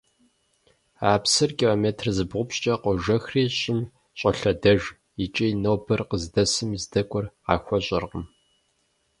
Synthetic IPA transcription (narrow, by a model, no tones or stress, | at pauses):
aːpsɨrkʼiloːmeːtʰrzɨbʁʷʊpɕt͡ʃʼɐqʷɔʒɐxriːɕʼɪm | ɕʼɐɬɐdɐʒ | it͡ʃʼijnowbɨrqəzdɐsɨmizdɐkʷʼʊra̰ːxʷɔɕʼɐrqəm